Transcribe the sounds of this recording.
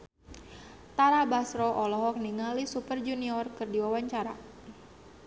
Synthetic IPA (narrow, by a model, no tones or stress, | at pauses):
t̪aɾabasɾɔʔɔlɔɦɔk̚niŋalisupərd͡ʒuniɔrkɨrdiwawaɲt͡ʃaɾa